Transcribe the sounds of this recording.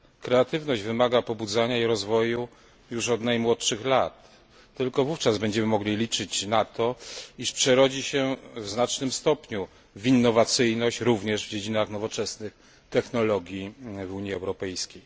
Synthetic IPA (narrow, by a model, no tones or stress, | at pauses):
kɾɛat̪ɘvnɔʑd͡ʑvɘmaɡapɔbud̪zaɲaiɾɔzvɔju | juʂɔd̪najmwɔtʂɘxlat̪ː | ɘlkɔvuft͡ʂazbɛɲd͡ʑɛmɘmɔɡlʲilʲit͡ʂɘt͡ɕnat̪ɔiʂpʂɛɾɔd͡ʑiɕɛvznat͡ʂnɘmst̪ɔpɲu | vinːɔvat̪sɘjnɔɕt͡ɕɾuvɲɛʐvd͡ʑed͡ʑinaxnɔvɔt͡ʂɛsnɘx | t̪ɛxnɔlɔɡʲjivuɲjiɛwɾɔpɛjskʲej